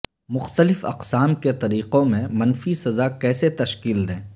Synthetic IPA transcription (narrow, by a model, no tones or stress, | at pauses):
mʊxt̪əlɪfɐ̰qsaːmket̪ɐɾiːqõmẽmɐnfisɐzakɛːset̪ɐʃkiːld̪ẽː